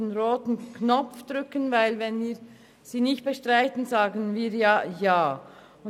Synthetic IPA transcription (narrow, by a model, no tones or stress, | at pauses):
enʁoːtn̩kʰnɔp͡fd̥ʁʏkənvaɪlvɛnviː | z̥iːnɪçt̚b̥ɛʃtʁ̥aɪtən̩zaːɡənviːjaːjaː | ʊ